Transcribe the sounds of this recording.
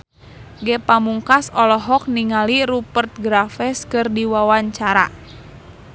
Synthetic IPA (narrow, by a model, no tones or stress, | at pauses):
ɡɛpamuŋkasɔlɔɦɔk̚niŋaliɾupərt̪̚ɡɾafɛskɨrdiwawaɲt͡ʃaɾa̰